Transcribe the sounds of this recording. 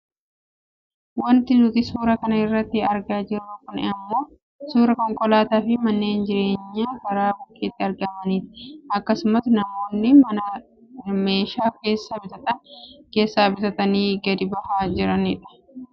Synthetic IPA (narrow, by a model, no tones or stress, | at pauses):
wɐnt̪ɪnʊt̪ɪsuːɾɐkɐnɐɪrːɐt̪ːɪɐɾɡaːd͡ʒɪɾɐkʊnɛ̰ɐmːo̞ː | suːɾɐkɔŋkʼɔlaːt̪aːfɪmɐnːeːnd͡ʒɪɾe̞ːɲːaːkɐɾaːbʊkːeːt̪ːɪɐɾɡɐmɐniːt̪ɪ̥ɐkːɐsʊmɐsnɐmo̞ːnːɪmɐnɐ | me̞ːʃaːke̞ːsːɐbɪt̪ɐt̪ɐnke̞ːsːaːbɪt̪ɐt̪ɐniːɡɐd̪ɪbɐhaːd͡ʒɪɾɐnɪᶑɐ̥